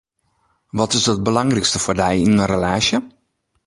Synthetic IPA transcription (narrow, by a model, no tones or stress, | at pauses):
ʋɔtɪsət̚bəlɑŋrɛkstəfordɛjɪnənrəlaːsjə